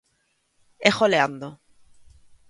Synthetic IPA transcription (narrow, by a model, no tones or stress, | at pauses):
exoleand̪o